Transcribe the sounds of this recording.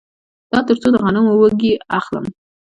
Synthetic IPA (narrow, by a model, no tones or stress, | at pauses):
d̪̥ɑt̪əɾt͡sod̪əɣɑnəmowəɡiaχlə̰m